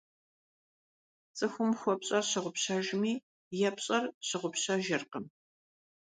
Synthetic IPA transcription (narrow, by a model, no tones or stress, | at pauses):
t͡sʼɨxʷʊmxʷɔpɕʼɐrɕɪʁʷʊpɕɐʒmiː | jɛpɕʼɐrɕɪʁʷʊpɕɐʒɪrqəm